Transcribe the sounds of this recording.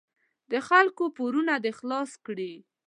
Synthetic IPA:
d̪əxalkopoɾunad̪əxlɑskɽi

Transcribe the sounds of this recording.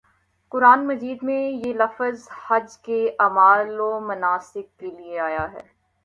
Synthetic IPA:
kʊɾaːnmɐziːd̪mẽjelɐfəzhɐd͡ʒkeʔaːmaːlomɐnaːsɪk̚kːelieaːjaɦɛ̰ː

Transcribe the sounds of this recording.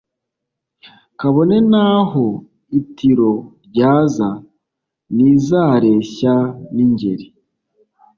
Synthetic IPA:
kaβone̞naːho̞ | itiɾo̞ɾɟaːza | nizaːɾe̞ːçaniɲɟe̞̰ɾi

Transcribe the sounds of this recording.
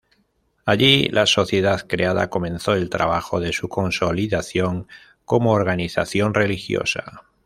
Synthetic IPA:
aʎilaso̞θje̞ðaθkɾeað̞a̰ko̞mẽ̞nθo̞e̞lt̪ɾa̰βaxo̞ðe̞suko̞nso̞liðaθjo̞ŋ | ko̞moːɾɣ̞aniθa̰θjo̞nre̞lixjo̰sa̰

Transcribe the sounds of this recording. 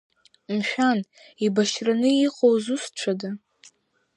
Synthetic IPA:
nʃᶣan | ibaʃranɨiqʼowzust͡ʃʷʰada

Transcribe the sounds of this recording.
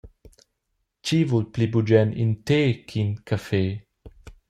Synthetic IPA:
t͡ʃivulplibud͡ʒɛnḭnteːkʰinkʰafe

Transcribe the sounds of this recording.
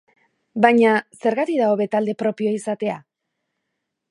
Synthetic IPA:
bajɲase̞ɾɣat̪iðaoβe̞t̪ald̪e̞pɾo̞pio̞isat̪e̞a̰

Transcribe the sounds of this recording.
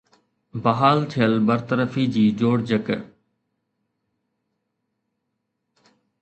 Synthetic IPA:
bɐɦaːlt̪ʰɪjəlbəɾt̪əɾəfiːd͡ʑiːd͡ʑoːɽd͡ʑək

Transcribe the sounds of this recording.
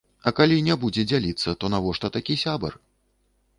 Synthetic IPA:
ɐkalʲinʲɛbud͡zʲɛd͡zʲalʲit̪sːɐt̪ɔnavɔʂt̪ɐt̪akʲisʲabɐ̰r

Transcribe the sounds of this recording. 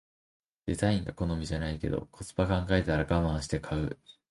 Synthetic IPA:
d̪̥e̞zaĩŋɡako̞no̞mʲiʑanaike̞̰d̪o̰kʰo̞t͡sɨ̥pakãŋɡae̞t̪et̪aɾaɡamaaɕi̥t̪e̞kʰaɯ̟̰

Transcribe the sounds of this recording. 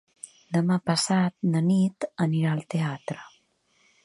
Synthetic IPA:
d̪əmapəsat̪̚nənit̪əniɾaəlˠt̪eat̪ɾə

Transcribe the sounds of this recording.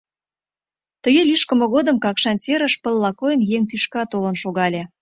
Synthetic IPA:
t̪əɣelʲyʃkə̆mə̆ɣod̪əmkɑkʃɑnseɾəʃpəlːɑkojənjeŋt̪yʃkɑt̪olə̆nʃoɣɑlʲe

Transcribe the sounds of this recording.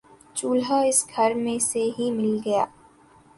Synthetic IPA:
t͡ʃuːlɦaɪsɡʱɐɾmẽseɦimɪlɡɐjaː

